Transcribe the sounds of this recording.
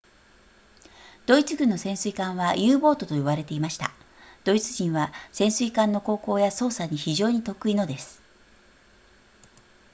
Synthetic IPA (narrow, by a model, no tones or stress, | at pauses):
d̪̥o̞it͡sɨɡɯ̟nːo̞sẽ̞ɰ̃sɨikãɰ̃βajɯ̟ːbo̞ːt̪o̞t̪o̞jiβaɾe̞t̪e̞imaɕi̥t̪a̰ | d̪̥o̞it͡sɨʑĩɰ̃βasẽ̞ɰ̃sɨikãnːo̞ko̞ːko̞ːjaso̞ːsaɲ̟içiʑo̞ːɲ̟it̪o̞kɯ̟ino̞d̪e̞sɨ̥